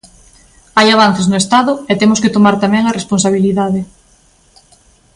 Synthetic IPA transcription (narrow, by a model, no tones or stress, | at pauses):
ajaβ̞an̟θeznʊest̪aðʊet̪emʊsket̪omaɾt̪amɛ̃ŋaresponsaβiliðaðɪ